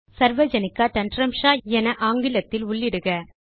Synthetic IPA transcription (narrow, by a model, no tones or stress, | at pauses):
sɐɾʋɐd͡ʒɐnɪkːaːʈ̪ɐɳɖɾɐmʂaːɛnɐʔaːŋɡɪlɐt̪ːɪlʊɭːɪɽɯɣɐ